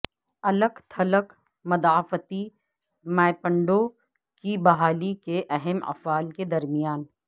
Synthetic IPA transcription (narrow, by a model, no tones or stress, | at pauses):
ɐləkt̪ʰɐlək | mɐd̪aːfət̪i | maːɪpə̃ɳɖo | kibɐɦaːlikeʔɐɦɛmɐ̰faːlked̪ɐɾmɪjaːn